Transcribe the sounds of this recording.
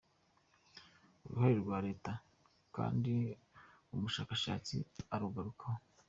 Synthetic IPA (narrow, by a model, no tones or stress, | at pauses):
uɾuhaɾiɾɾɡwaːɾe̞ːta | ka̰ːndi | umuʃaːkaʃa̰ːt͡sḭaɾuɡaɾukaho